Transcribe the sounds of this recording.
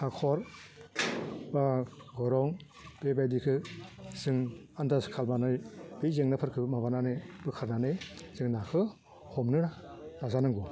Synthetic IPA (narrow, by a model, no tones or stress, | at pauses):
akʰɔɾ | baɡɔɾɔŋ | b̥ebajdikʰɯsɯŋandaskʰalmanɯjbizeŋnapʰɯɾkʰɯmabananɯbɯkʰaɾnanɯjzɯŋnakʰɯ | hɔmnɯɾaɾazanɯŋɡɔ